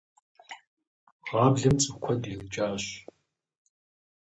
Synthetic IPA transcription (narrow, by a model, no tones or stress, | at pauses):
ʁɑːbɮɐmt͡sʼɨkʷʰɔdiːlt͡ʃʼaːɕ